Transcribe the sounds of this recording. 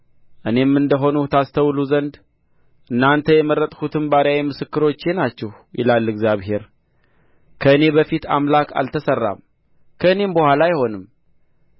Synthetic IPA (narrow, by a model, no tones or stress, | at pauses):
ʔɨne̞mːɨnd̪əɦo̞nut̪ʰast̪ʰəwluzənd̪ | ʔɨnːant̪ʰəjɛməɾət̪ʼkʰut̪ʰɨnbaɾjawimɨsɨkːɨɾo̞t͡ʃːe̞nat͡ʃːɛh | jɪ̰lalːɨɡzjaβɦe̞ɾ | kʰəɨne̞bəfit̪ʰa̰mlakʰa̰lt̪ʰəsərːa̰m | kʰəɨne̞mbəhʷwalajɪho̞nɨm